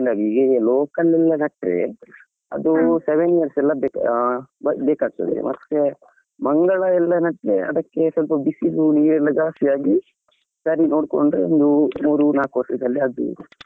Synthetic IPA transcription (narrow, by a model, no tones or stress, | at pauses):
nd̪aːɡiɡeloːkɐlɛlːɐnɐʈɾḛ | ɐ̰d̪useʋenijɐɾsɛlːɐbeːkbɐbeːkaːɡ̚t̪ɐ̰d̪ḛmʔɐt̪ːe | mɐŋɡɐɭɐɛlːɐnɐʈɾeɐ̰d̪ɐkːe̞sɐlpɐbisiluniːɾɛlːɐɡaːɐsjaːɡi | sɐɾino̞ːɽko̰ɳɖɾeond̪umuːɾunaːkʋɐsid̪ɐlːiɐd̪ṵ